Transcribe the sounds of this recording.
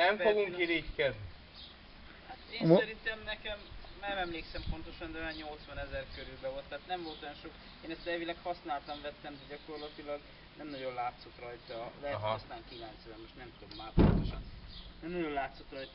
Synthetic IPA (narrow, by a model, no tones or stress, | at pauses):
nɛmfoɡuŋkiɾickɛd̪ni | hat̪eːnsɛɾint̪ɛmnɛkɛmɛmɛmleːksɛmpo̞nt̪o̞ʃɒnd̪ɛɛɲo̞lt̪svɒnɛzɛrkøɾylbɛvo̞lt̪ːɛaːt̪nɛɱvo̞lt̪ojonʃo̞k | eːnɛst̪ɛlvilɛkhɒsnaːlt̪ɒɱvɛt̪ːɛmd̪ɛɟɒko̞rlɒt̪ilɒɡ | nɛmnɒɟo̞nlaːt̪so̞t̪rɒjt̪ɒvɛsnaːŋkilant̪sɛmo̞ʃt̪nɛmt̪ut̪omːaːpo̰nt̪o̞ʃɒnnɛmnɒɟo̞nlaːt̪so̞t̪rɒjt̪